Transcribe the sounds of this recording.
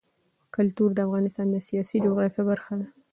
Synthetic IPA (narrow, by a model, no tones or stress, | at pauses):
kʊlt̪uɾd̪əafɣɑnɪst̪ɑnd̪əsijɑsid͡ʒoɣɾɑfjabaɾxad̪a